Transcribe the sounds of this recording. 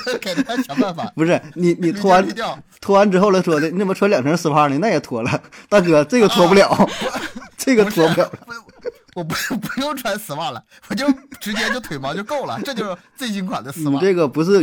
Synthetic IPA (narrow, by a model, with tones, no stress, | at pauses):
kʰa˨˩nʰ˨˩˥t͡ɕʰjɑ˧˥˦a˥˧˩fa˨˩˨pu˧˥ʂɻ̩˥˩ni˨˧˩ni˨˩t̪ʰwɔ˧˥wa˧˥n˧jt̪ʰwɔ˧˥wa˧˥nʈ͡ʂɻ̩˥xo˥˧ʊla˥ɪʂ̬wɔ˥nə˥˧nə˥˩mə˨˩ʈ͡ʂʰwa˧˥ljɑ˨˩ŋʈ͡ʂʰə˧˥sɹ̩˨˧˩pʰa˧˥˧ni˧˩na˥˩jt̪ʰwɔ˧˥lə˧t̪ʰa˥˩kɤ˨˩ʈ͡ʂɤ˥˩ɡə˩t̪ʰwɔ˧˥pu˥˩ljɑ˨˩˦ʊ | ʈ͡ʂɤə˥˩ɡə˩t̪ʰwɔ˧˥pu˥ljɑ˨˩ʊlə˧ | wɔ˨˩˧pu˧˥jo˥˩ʊʈ͡ʂʰwa˧˥nsɹ̩˨˧˩pa˥˩lə˩ | wɔ˨˩t͡ɕjo˥˧ʊʊʈ͡ʂɻ̩˧˥t͡ɕjɛ˥nt͡ɕjo˧t̪ʰwe˨˩ɪmɑ˧˥jo˥˧ʊko˥˩ʊlə̰˩ʈ͡ʂɤ˥˧t͡ɕjo˥˧ʊʂɻ̩˥˧t͡swe˥˩ɪt͡ɕi˥ŋkʰwa̰˨˩nd̪ə˦sɹn̩˨˧i˨˩ʈ͡ʂɤ˥˩ɡə˩pu˧˥ʂɻ̩˥˩